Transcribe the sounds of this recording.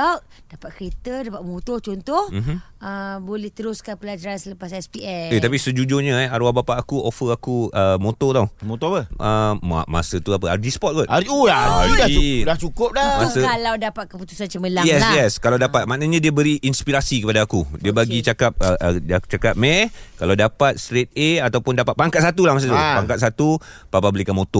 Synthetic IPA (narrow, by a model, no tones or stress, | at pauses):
awʔd̥apat̪̚kəɾet̪ədapaʔ̚mut̪oht͡ʃɔnt̪ʊhm̩əbolɛht̪əɾʊskanpəlad͡ʒaɾansələpasɛspiɛet̪ap̬isəd͡ʒud͡ʒoɲə̃ɛaɾuabapaʔakuʔofəakuəmot̪ɔt̪awmot̪ɔpəʔəma̰ma̰sət̪uapəaɾdispɔt̪̚ɡɔt̪ʔaɾiulaaɾiaiaht͡ʃukʊp̚damasəkalawdapat̪̚kəput̪u̥sant͡ʃəməlajɛsjɛskalawdapat̪̚maʔnəɲə̃diəbəɾiʔinspiɾasikəpadaːkudiəbaɡit͡ʃakap̚əʔat͡ʃakap̚mɛkalawdapat̪̚st̪ɾet̪̚eat̪awpʊndapat̪̚paŋkat̪̚sat̪ulahmas̬ət̪uppaŋkat̪̚sat̪upapabəlikanmot̪ɔ